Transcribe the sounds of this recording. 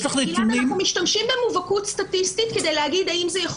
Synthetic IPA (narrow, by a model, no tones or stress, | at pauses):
saχlituniumiʃtamʃimbenmuvakutstatistitke̞dejlehaɡid̪aimzejaχ